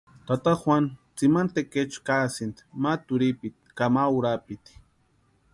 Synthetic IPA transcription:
t̪at̪axwʷant͡simant̪eket͡ʃkasint̪mat̪uɾipit̪kamawɾapit̪i̥

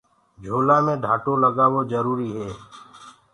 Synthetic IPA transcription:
d͡ʒʱoːlaːmẽːɖʱaːʈoːləɡaːʋoːzəɾuːɾiːɦeː

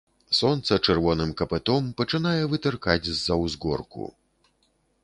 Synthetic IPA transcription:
sɔnt̪sɐt͡ʂɛrvɔnɨmkɐpɛt̪ɔmpɐt͡ʂɨnajɛvɨt̪ɛrkad͡zʲzːɐwzɡɔ̰rkṵ

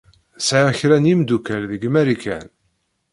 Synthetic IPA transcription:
sʕaçɾænjimd̪ukælðəɡmæɾikʰæ̰n

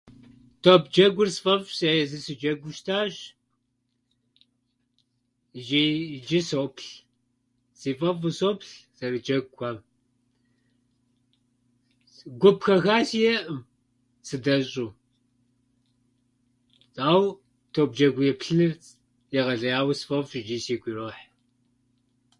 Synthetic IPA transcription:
tʰoːpʰd͡ʒɐɡʷʊrsfʼɐfsejɛzɨsɨd͡ʒɐɡʷʊʃtʰaːɕ | ʒiːd͡ʒɪsoːpʰɬ | z̥iːfʼɐfusoːpɬz̥ɐrɨd͡ʒɐɡʷxʷaːm | ɡʷʊpxɐxaːsijɛʔm | sɨdɐɕʼuː | t͡sʼaːw | tʰoːb̚d͡ʒɐɡʷʊjɛpɬɨnɨr | jɛʁɐɮɐjaːwsfɐfɕd͡ʒiːsiːɡʷʼiroːħ

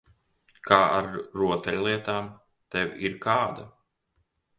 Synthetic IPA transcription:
kʰaːaɾɾuɔt̪ɛlʲlˠiɛt̪aːm | t̪ɛwiɾkaːd̪a

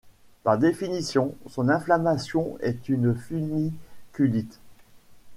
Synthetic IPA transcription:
paʁd̪efinisjɔ̃sɔ̃nɛ̃flamasjɔ̃ɛ̰t̪ynfynikʲylit̪

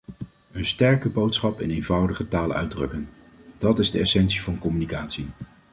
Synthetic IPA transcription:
ənstɛɹkəbowtsχɑpɪnejnvʌwdəχətaːlœ̰ɥdrɵkən | d̥ɑtɪzdəɛsɛnsivɑnkɔmynikaːtsi

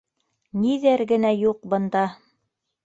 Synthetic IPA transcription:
niðæɾɡɘ̆næjuq̚bɤ̆nd̪ɑ

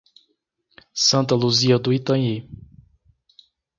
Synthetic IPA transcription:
sɐ̃nt̪ɐluziɐd̪ʊit̪ɐ̃ji

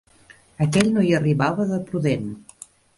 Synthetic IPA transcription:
əkɛʎnojəriβaβəðəpɾuðen

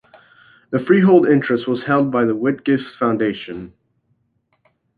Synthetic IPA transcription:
ðɨfɹiɦoʊlˠdɪ̃nt͡ʃɹ̥ɨst̚wʌz̥hɛlˠd̚baɪðəwɪt̚ɡ̥ɪfsfãʊ̃ndeɪʃɨ̃n

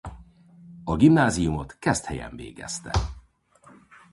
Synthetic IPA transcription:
ɒɡimnaːzijumo̞t̪kɛst̪hɛjɛ̰ɱveːɡɛ̰st̪ɛ

